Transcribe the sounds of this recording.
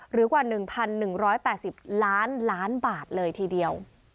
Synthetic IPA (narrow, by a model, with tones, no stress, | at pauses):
ɾɯː˩˦kwaː˨˩nɯ˨˩ŋpʰa˧nːɯ˨˩ŋɾɔː˦˥jpɛː˨˩t̪̚si˨˩p̚laː˦˥nlaː˦˥nbaː˨˩t̪̚lɤː˧jt̪ʰiː˧di˧əw